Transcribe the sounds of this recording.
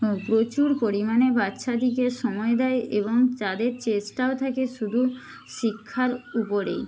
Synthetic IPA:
pɾot͡ɕuɾpoɾimanebatːʃad̪ʱikeɾʃɔmɔed̪aeʔeboŋt͡ɕad̪eɾt͡ɕesʈaot̪ʰakeʃud̪ʱu | ʃikʰːaɾupoɾḛj

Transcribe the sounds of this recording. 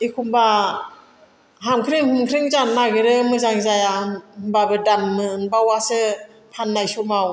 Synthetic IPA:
ikʰumba | ɦamkʰɾɯŋhɯmkʰɾɯŋzannːaɡɯɾɯmɯzaŋzajahɯmbabɯdamːɯɯnbawasɯ | pʰanːajsɔmaw

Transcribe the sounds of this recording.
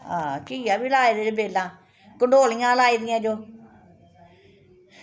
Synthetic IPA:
aːkiːaːʋilaːid̪ebeːlːãː | kəɳɖoːlɪjãːlaːiːd̪ɪjãːd͡ʒoː

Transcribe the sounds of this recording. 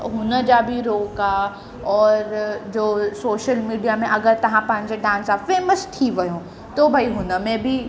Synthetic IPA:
ɦʊnə̆d͡ʑabʱiɾoːka | ɔːɾd͡ʑoːsoːʃəlmiːɖijamẽʔɐɡəɾt̪ɐʋ̤ãpɐ̃ɦɪ̃ɲ̆d͡ʑeɖãːnsafeːməst̪ʰiʋɐjõ | t̪obʱaiɦʊnəmẽbʱi

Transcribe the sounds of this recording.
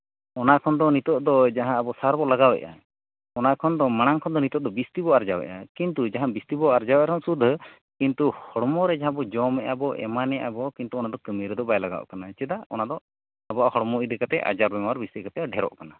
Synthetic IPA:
ɔnakʰɔnd̪ɔnit̪ɔʔd̪ɔd͡ʒaɦãːbɔsaɾbɔlaɡawɛ̰ʔa̰ | ɔnakʰɔnd̪ɔmaɽ̃aŋkʰɔnd̪ɔnit̪ɔʔ̚d̪ɔbist̪ibɔaɾd͡ʒawɛ̰ʔa̰kint̪ud͡ʒaɦãbist̪ibɔaɾd͡ʒawɛʔaɾʰɔnsud̪ʱːə | kint̪uhɔɽmɔɾɛd͡ʒaɦãbɔd͡ʒɔmɛʔabɔʔɛ̰manɛʔa̰bɔkint̪uɔnad̪ɔkəmiɾɛd̪ɔbajlaɡa̰ʔɔ̰kanat͡ʃɛd̪aɔnad̪ɔ | abɔʔahɔɽmɔid̪ɛkat̪ɛʔa̰d͡ʒaɾbɛmawaɾbist̪ikat̪ɛɖʱɛɾɔ̰ʔkana

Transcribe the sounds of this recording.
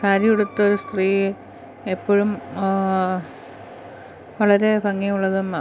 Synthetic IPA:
kaːɾjiuɽut̪ːɐoɾust̪riː | epːoːɻum | ʋɐɭɐɾe̞pɐŋːimuɭːɐðum

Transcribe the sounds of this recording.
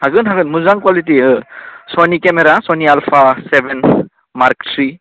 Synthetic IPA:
haɡɯnɦaɡɯnmuzaŋkwalit̬iɯsɔnikemeɾasɔnialpʰasebʱɛn | maɾk̚tʰɾi

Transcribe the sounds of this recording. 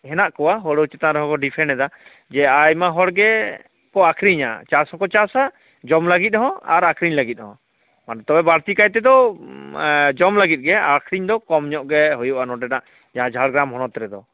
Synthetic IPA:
hɛnaʔkɔwaɦɔɽut͡ʃɛt̪aɾɛɦɔ̃kɔɖipʰɛnɛd̪a | d͡ʒɛajmaɦɔɽɡɛ | kɔakʰɾiɲa̰t͡ʃasɔkɔt͡ʃasa | d͡ʒɔmlaɡit̪̚ˀɦɔ̃a̰ɾakʰɾiɲlaɡit̪̚ˀɦɔ̃ | mant̪ɔbɛbaɽt̪ikajt̪ɛd̪ɔ | d͡ʒɔmlaɡit̪̚ɡɛakʰɾiɲd̪ɔkɔmɲɔʔɡɛɦɔjuʔanɔʈɛdaʔ | d͡ʒaɦãd͡ʒʱaɽɡɾamɦɔnɔt̪ɾɛd̪ɔ

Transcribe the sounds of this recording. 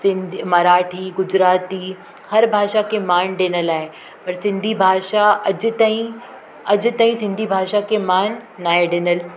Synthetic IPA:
sɪ̃nd̪ʱimɐɾaːʈʰiːɡʊd͡ʑɾaːt̪i | hɐɾbʱaːʃakʰemaːnɖeːnəlaːɦe | pɐɾsɪ̃nd̪ʱibʱaːʃaɐd͡ʑ̆t̪aːɦĩ | ɐd͡ʑʊ̆t̪aːɦĩsɪ̃nd̪ʱibʱaːʃakʰemaːnːaːɦeɖeːnəl

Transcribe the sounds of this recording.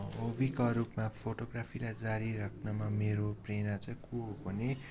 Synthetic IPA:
obikaɾupmapʰoʈoɡrapʰilajd͡zaɾiɾʌkʰnamameɾoprenat͡saĩkuobʌne

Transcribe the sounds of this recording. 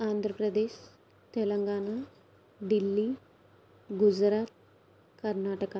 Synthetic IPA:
and̪ʱɾəpɾəd̪eɕ | t̪eləŋɡana | ɖ̪ilːi | ɡud͡zɾat̪̚ | kəɾnaʈəka

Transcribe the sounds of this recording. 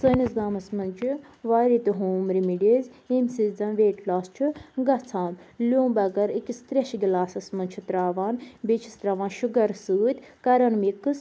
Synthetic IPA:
səːnisɡaːmɐsmɐnt͡ʃʰu | ʋaːɾit̪ɨɦoːmɾimiɖeːz | emsid͡zɐnʋeːʈlaːst͡ʃʰuɡɐt͡sʰãːmlʲõːmbɐɡɐɾikʲist̪ɾʲeʃɡilaːsɐsmɐnt͡ʃʰut̪ɾaːʋaːnbet͡ʃʰist̪ɾaʋãːnʃuɡɐɾsɨːt̪ʲkɐɾɐnmikɨs

